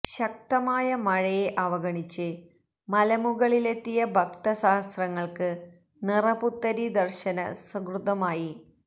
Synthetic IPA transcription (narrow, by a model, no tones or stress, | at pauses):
ɕɐk̚t̪ɐmaːjɐmɐɻɐjeʔɐʋɐɣɐɳit͡ɕːɨ | mɐlɐmuɣɐɭile̞t̪ːijɐbʱɐkt̪ɐɕaːst̪rɐŋːɐɭkɨ | nirɐput̪ːɐɾid̪ɐrɕɐnɐsɐkrud̪ɐmaːji